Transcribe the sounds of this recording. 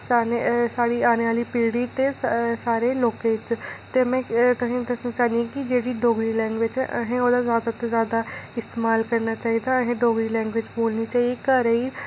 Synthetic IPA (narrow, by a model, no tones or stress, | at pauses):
saːnesaːɽiːaːneːʋaːliːpiːɽiːt̪eːsaːɾeːloːkeːɪt͡ʃt̪eːmɛ̃ːt̪ʊsĩːd̪əsnaːt͡ʃaːnd̪iãːkɪd͡ʒeːɽiːɖoːɡɾiːlɛ̃ːŋɡʋɪt͡ʃə̰ɦẽːoːd̪aːzjaːd̪aːt̪ezjaːd̪aːɪst̪eːmaːlkəɾnaːt͡ʃaːiːd̪aːəɦẽːɖoːɡɾiːlɛ̃ːŋɡʋɪt͡ʃboːlniːt͡ʃaːieːkəɾeiː